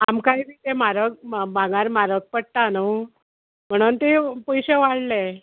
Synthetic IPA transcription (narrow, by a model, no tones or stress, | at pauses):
amkajbiːt̪emaɾək̚bãŋɡaɾmaɾək̚pəɽ̚t̪ano | m̤əɽ̃uːnt̪epəjɕeʋaɽle